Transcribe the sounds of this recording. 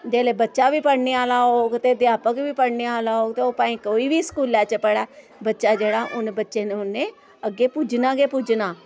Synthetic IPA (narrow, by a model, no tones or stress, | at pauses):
d͡ʒeːleːbətːʃaːʋiːpəɽneːaːlaːɦoːɡt̪eːd̪jaːpəkʋiːpəɽneːaːlaːɦoːɡt̪eːoːpãːĩːkoːiːʋiːsə̥kuːlːɛːt͡ʃpəɽɛː | bətːʃaːd͡ʒeːɽaːʔʊnbətːʃeːnẽʊnːeː | əɡːeːpʊd͡ʒnaːɡeːpʊd͡ʒnaː